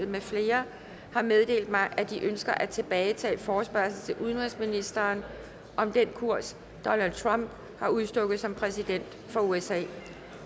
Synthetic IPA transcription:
ð̩ˠmefle̝ːɐ | hɑ̈með̞ˠd̥e̝̰ːld̥mɑ̈ɪʔæd̥iʔønsɡ̥ɐʔæt͡sʰe̝b̥ɛːɪt͡sʰɛ̰ːfɒːsb̥æɐsl̩t͡sʰe̝ʔuð̞ˠənʁisminisd̥ɐːn | ʔɒ̽md̥enkʰuɐ̰s | d̥ɒ̽næld̥̚t͡sʰʁɑ̈m̰b̥ | hɑ̈uðˠsd̥ɔ̽ɡ̥ð̩ˠsɒ̽mpʰʁɛsid̥en̰d̥fɒ̽uesɛ̰ː

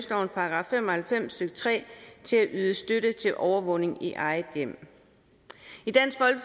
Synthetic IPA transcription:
sd̥ɒʊnpʰɑ̈ɡ̥ʁɑ̈fem̰ɒhælfem̰sd̥øɡ̥ət͡sʰʁɛ̰ːt͡sʰe̝læʔyːð̞ˠəsd̥øɾ̥ət͡sʰe̝lʔɒʊɐʋɔ̽ne̝ŋiʔɑ̈ɪð̩ˠjem̰ | id̥æn̰sɡ̥fɒ̽lɡ̥

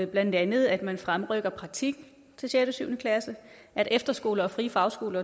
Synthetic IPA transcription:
b̥læn̰d̥ænð̞̩ˠæd̥mænfʁamʁœɡ̥ɐpʰʁɑ̈ɡ̥̚t͡sʰiɡ̥̚n̩ | t͡sʰe̝lɕed̥əsyʊnəkʰlæsə | ʔæɾ̥efd̥ɐsɡ̥o̝̰ːlɐɒ̽fʁiːfɑ̈ʊsɡ̥o̝ːlɐ

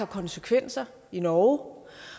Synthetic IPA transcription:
ɑ̈kʰɒ̽nsəkʰʋen̰sɐ | inɒː

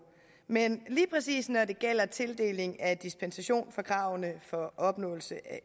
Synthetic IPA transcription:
menliːpʰʁɛsḭːsnɒde̝ɡ̥el̰ɐt͡sʰe̝ld̥e̝̰ːle̝ŋæd̥isb̥ʰensæɕo̝̰ːnfɒkʰʁɑ̈ʊnəfɒ̽ʔɒ̽b̥nɔ̰̽ːl̩səʔæ

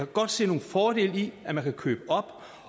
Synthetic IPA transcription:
æɡ̥ɒ̽d̥se̝̰ːno̝ːn̩fɒːɾ̥e̝̰ːliæmænkʰækʰø̰ːb̥əɒ̽b̥

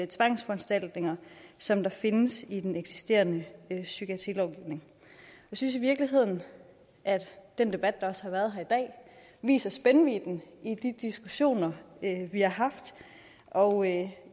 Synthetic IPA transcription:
t͡sʰʋɑ̈ŋsfɒ̽ænsd̥æl̰d̥ne̝ŋɐsɒ̽md̥ɑ̈fe̝nəsid̥eneɡ̥si̥sd̥e̝̰ːɐnəøsyɡ̥æt͡sʰḭlɒʊɡ̥iʊne̝ŋ | jsynsiʋiɐɡ̥liɦe̝ð̞̰ˠn̩ | ʔæd̥d̥end̥e̝b̥æd̥̚d̥ɑ̈ɒ̽shɑ̈ʋæɐð̞ˠɦæɐid̥ɛ̰ː | ʋḭːsɐsb̥enəʋid̥n̩id̥id̥isɡ̥uɕo̝̰ːnɐøʋihɑ̈ɦɑ̈fd̥ | ʔɒʊ

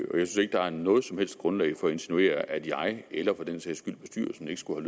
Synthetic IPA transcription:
ɒjɑ̈ɪsynse̝ɡ̥əd̥ɑ̈æɐnɔ̽ːð̞̩ˠsɒ̽mhel̰sd̥̚ɡ̥ʁɔ̽nlɛ̰ɪfɒ̽e̝nsinue̝̰ːɐʔæd̥jɑ̈ɪelɐfɒ̽d̥en̰sɛ̰ːsɡ̥yl̰b̥e̝sd̥y̰ːɐsɒ̽md̥e̝ɡ̥sɡ̥uhæl

